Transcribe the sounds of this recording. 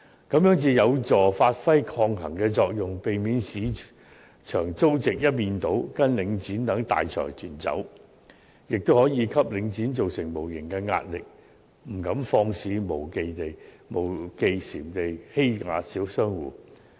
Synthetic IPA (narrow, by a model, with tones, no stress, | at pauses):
kɐ˨˥mjœː˨˥ŋt͡siː˧jɐ˨˧wt͡sɔː˨˩faː˧t̚fɐ˥jkʰɔː˧ŋɦɐ˨˩ŋkɛː˧t͡sɔː˧k̚jʊ˨ŋpe˨jmiː˨˧nsiː˨˧ | t͡ʃʰœː˨˩ŋt͡so˥wt͡sɪ˨k̚jɐ˥t̚miː˨˧nt̪o˨˥wkɐ˥nlɪ˨˧˥ŋt͡siː˨˥nt̪ɐ˨˥ŋt̪a̰ː˨jt͡ʃʰœ̰ː˨˩jt̪ʰyː˨˩nt͡sɐ̰˨˥w | jɪ˨k̚t̪o˥whɔː˨˥jiː˨˧kʰɐ˥p̚lɪ˨˧ŋt͡siː˨˥nt͡so˨wsɪ˨˩ŋmo˨˩wjɪ˨˩ŋkɛː˧ŋa̰ː˧t̚lɪ˨k̚ | m̩˨˩kɐ˨˥mfɔː˧ŋsiː˨˧mo˨˩wke˨˧jt̪e˨j | mo˨˩wke˧jsiː˨˩mt̪e˨jhe˥jŋa̰ː˨˧siː˨˥wsœː˥ŋwuː˨˩